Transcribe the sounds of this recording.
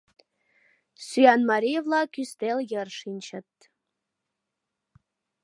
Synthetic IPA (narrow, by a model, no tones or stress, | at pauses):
syɑnmɑɾʲijevlˠɑkʲyst̪elʲjə̆rʂint͡ɕɘ̆t̪ː